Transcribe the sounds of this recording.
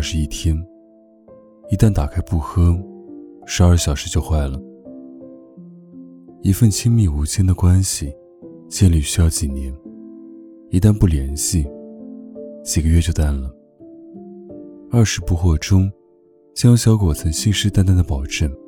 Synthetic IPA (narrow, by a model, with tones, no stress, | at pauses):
ʂɻ̩˧i˥˩t̪ʰjɛ˥n | i˧˥t̪a˥˩nt̪a˨˩kʰa˥ɪpu˥˩xɤ˥ | ʂɻ̩˧˥ɐ˞˥˩ɕjɑ˨˩ʊʂɻ̩˧˥t͡ɕjo˥˧ʊxwa˥˩ɪlə˩ | i˧˥fə˥˧nt͡ɕʰi˥ŋmi˥˩u˧˥t͡ɕʰjɛ˥nd̪ə˨kwa˥nɕi˨˩ | t͡ɕjɛ˥˧nli˥˩ɕy˥jɑ˥˩ʊt͡ɕi˨˩nɛ˧˥n | i˧˥t̪a˥˧npu˥˩ljɛ˧˥nɕi˥˩ | t͡ɕi˨˩ɡə˦ɥɛ˥˧t͡ɕjo˥˧ʊt̪a˥˩nlə˩ | ɐ˞˥˩ʂɻ̩˧˥pu˥˧xwɔ˥˩ʈ͡ʂʊ˥ŋ | t͡ɕjɑ˥ŋɕjɑ˧˥ʊkwɔ˨˩t͡sʰə˧˥ŋɕi˥˧ŋʂɻ̩˥t̪a˥nt̪a˥nd̪ə˨pɑ˨˩ʊʈ͡ʂə˥˩n